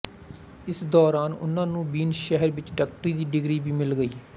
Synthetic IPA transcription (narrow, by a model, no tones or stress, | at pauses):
ɪsd̪ɔːɾaːnʊ̰nãːnũːbiːnʃɛɦəɾʋɪt͡ʃɖaːk̚ʈɾiːd̪iːɖɪɡɾiːbiːmɪlɡəiː